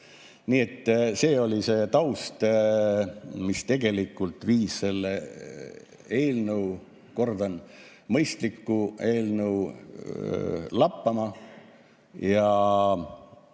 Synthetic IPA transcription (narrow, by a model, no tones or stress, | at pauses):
niːe̞t̪ːse̞ːo̞lʲise̞ːt̪ɑwst̪ | mist̪e̞ɡ̥e̞likːˑult̪ˑviːsse̞lːe | e̞ːlnəw | ko̞rd̪ɑn | mɤjst̪likːue̞ːlnəu | lɑpːɑmɑ | jɑ